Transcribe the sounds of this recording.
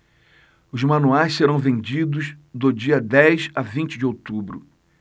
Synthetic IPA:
ʊzmɐ̃nuajsseɾɐ̃w̃vẽnd͡ʒid̪ʊzd̪ʊd͡ʒiɐd̪ɛjzavĩnt͡ʃɪd͡ʒɪowt̪ubɾʊ̰

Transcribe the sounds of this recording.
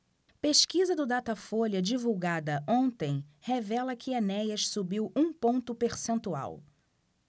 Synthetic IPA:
peʃkizɐd̪ʊd̪at̪ɐfolɐd͡ʒivuwɡad̪ɐõnt̪ẽj̃hevɛlɐkʰɪanɛjɐʃsubiwʔũpõnt̪ʊpeɾsẽnt̪ua̰w

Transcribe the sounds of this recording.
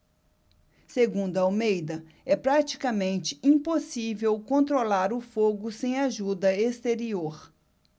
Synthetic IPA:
seɡũnd̪ʊɐawmejd̪ɐ | ɛpɾat͡ʃi̥kɐmẽnt͡ʃɪ̥ĩposivewkõnt̪ɾolaɾʊfoɡʊsẽj̃aʒud̪ɐest̪eɾioɾ

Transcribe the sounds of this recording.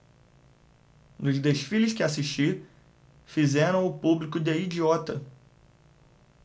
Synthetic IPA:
nʊzd̪eʃfilɪskɪasiʃt͡ʃiɾ | fizɛɾɐ̃w̃ʊpublikʊd̪eid͡ʒiɔt̪ɐ

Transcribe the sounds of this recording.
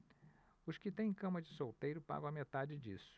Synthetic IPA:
ʊskɪt̪ẽj̃ẽkɐ̃mɐd͡ʒɪsowt̪ejɾʊpa̰ɡɐ̃ɐmet̪ad͡ʒɪd͡ʒḭsʊ̥

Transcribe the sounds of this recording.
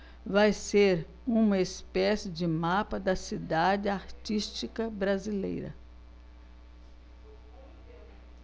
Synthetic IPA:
vajseɾ | ũmɐespɛsɪd͡ʒɪmapɐd̪ɐsid̪ad͡ʒɪaɾt͡ʃist͡ʃikɐbɾazilḛjɾɐ̰

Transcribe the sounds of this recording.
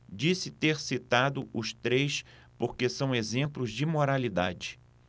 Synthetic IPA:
d͡ʒisɪt̪eɾsit̪ad̪ʊʔʊst̪ɾejs | poɾkesɐ̃w̃ezẽmplʊzd͡ʒɪmoɾalid̪a̰d͡ʒɪ̥

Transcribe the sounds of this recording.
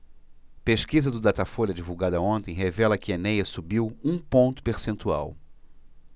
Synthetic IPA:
peʃkizɐd̪ʊd̪at̪afoʎɐd͡ʒivuwɡad̪ɐõnt̪ẽj̃ɦevɛlɐkɪenejɐsubiwũpõnt̪ʊ̥peɾsẽnt̪ua̰w

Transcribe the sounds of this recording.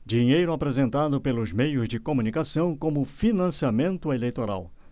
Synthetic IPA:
d͡ʒiɲejɾʊapɾezẽnt̪ad̪ʊpelʊzmejʊzd͡ʒɪkomũnikasɐ̃w̃kõmʊfinɐ̃siamẽnt̪ʊelejt̪oɾa̰w

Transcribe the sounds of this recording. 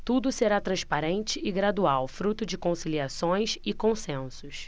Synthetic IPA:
t̪ud̪ʊseɾat̪ɾɐ̃ʃpaɾẽnt͡ʃɪɪɡɾad̪uawfɾut̪ʊd͡ʒɪkõsiliasõj̃sɪkõsẽnsʊs

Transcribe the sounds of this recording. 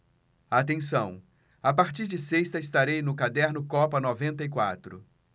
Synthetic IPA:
at̪ẽsɐ̃w̃ | apaɾt͡ʃiɾd͡ʒɪseʃt̪ɐɪst̪aɾejnʊkad̪ɛɾnʊkɔpɐnɔvẽnt̪ɐikwa̰t̪ɾʊ̰

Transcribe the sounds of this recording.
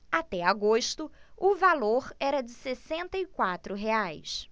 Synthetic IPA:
at̪ɛaɡoʃt̪ʊʊvaloɾɛɾɐd͡ʒɪsesẽnt̪ɐikwat̪ɾʊɦeajs

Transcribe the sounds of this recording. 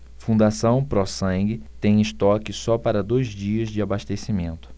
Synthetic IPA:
fũnd̪asɐ̃w̃pɾɔsɐ̃ŋɡɪt̪ẽj̃ɪst̪ɔkɪsɔpaɾɐd̪ojzd͡ʒiɐzd͡ʒɪabaʃt̪esimẽnt̪ʊ̥

